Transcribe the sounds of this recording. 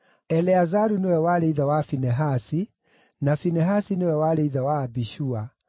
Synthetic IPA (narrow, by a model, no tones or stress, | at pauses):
ɛlɛazaɾunewɛwaɾeiðawafinɛɦasi | nafinɛɦasinewɛwaɾeiðawaːbiʃua